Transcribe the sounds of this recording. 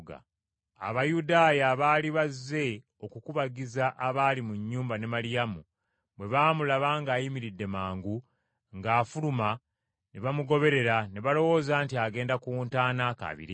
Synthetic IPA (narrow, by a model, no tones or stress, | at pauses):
ɡa̰ | a̰βajudaːjaβaːliβazːe̞ | o̞kukuβaɡizaʔːβaːlimuɲːuːmbane̞malijamu | βwe̞βaːmulaβaːŋɡaːjimiɾidːe̞maːŋɡu | ŋɡaːfuluma | neβamuɡo̞βe̞ɾe̞ɾane̞βalo̞wo̞ːzaːntiaɡe̞ːndakuːntaːnaka̰βḭɾi